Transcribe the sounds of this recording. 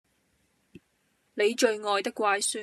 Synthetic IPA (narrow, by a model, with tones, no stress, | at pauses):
ne˨˧jt͡ʃɵ˧ɥŋɔː˨jt̪ɪ˥kʷːwaː˧jsyː˥